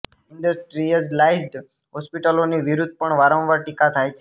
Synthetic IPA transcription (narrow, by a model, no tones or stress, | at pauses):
ɪɳɖəsʈɾiəzlaisɖ | ɦɔspiʈəloniʋiɾud̪̚ʱpəɳʋaɾə̃mʋaʈikat̪ʰajt͡ʃʰ